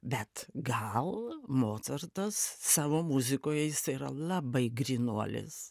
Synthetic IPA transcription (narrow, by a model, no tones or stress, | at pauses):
bʲɛt̪ɡɐlˠmoːt̪sɐɾt̪ɐsːɑːʋoːmʊzʲɪkoːjɛjɪsiɪɾɐ̰lˠɑbɐɪɡɾʲinuɔlʲɪ̰s